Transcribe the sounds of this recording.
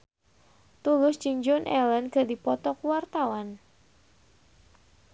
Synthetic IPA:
t̪ulʊsd͡ʒɨŋd͡ʒɔnʔɛlɛnkədipɔt̪ɔkuwart̪awan

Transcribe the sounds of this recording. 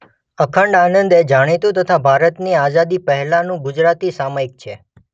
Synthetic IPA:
əkʰəɳɖanənd̪ed͡ʒaɽ̃it̪ũt̪ət̪ʰabʱaɾət̪niazad̪ipəɦɛlanũɡʊd͡ʒɾat̪isamaik̚t͡ʃʰe

